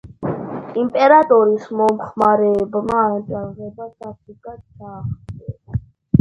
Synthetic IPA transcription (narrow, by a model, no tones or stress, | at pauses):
impʼɛɾat̪ʼɔɾismɔmχmaɾɛːbmaɛnt̪ʼaɾʁɛbasapʰikʼat͡ʃaχɛ